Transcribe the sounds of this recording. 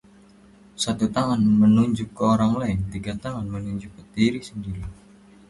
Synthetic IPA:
sat̪ut̪aŋanmənuɲd͡ʒʊkːəoɾaŋlaɪnt̪iɡat̪aŋanmənuɲd͡ʒʊkːət̪iɾisəndiɾi

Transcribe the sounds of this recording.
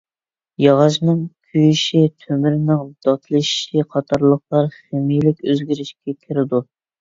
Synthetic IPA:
jɑʁɑʃnɨŋkʲʰyjyʃit̪ʰømyɾɪnɪŋd̪̥ɑt̪ʰlˠɨʃʃiqʰɑt̪ʰɑɾlˠəχlˠɑɾχemijlɪkʲøzɡʲiɾɪʃkʲɛkʲʰɪɾɪd̪u

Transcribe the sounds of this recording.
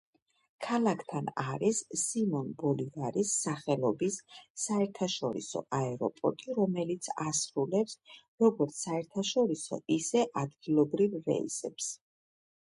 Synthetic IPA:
kʰalakʰt̪ʰanaɾisːimɔnbɔliɡaɾisːaχɛlɔbisːaɛɾt̪ʰaʃɔɾḭsɔ̰ʔaɛɾɔ̰pʼɔ̰ɾt̪ʼiɾɔmɛlit̪sʰasɾulɛps | ɾɔɡɔɾt̪sʰaɛɾt̪ʰaʃɔɾisɔ̰isɛʔad̪ɡilˠɔbɾivːɛ̰ḭsɛps

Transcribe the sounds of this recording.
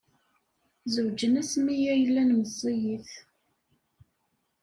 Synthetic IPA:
zəwd͡ʒənæsmijæjəlːænməzˤːijiθ

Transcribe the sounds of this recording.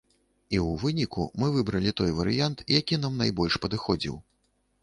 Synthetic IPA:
iwvɨnʲikṵmɨvɨbɾɐlʲit̪ɔjvɐɾɨ̰jant̪jakʲin̪amnajbɔlʲʂpɐd̪ɨxɔd͡zʲḭw

